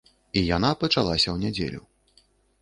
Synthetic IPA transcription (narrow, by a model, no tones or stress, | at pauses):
ijanapɐt͡ʂalˠasʲɐwnʲɛd͡zʲḛlʲu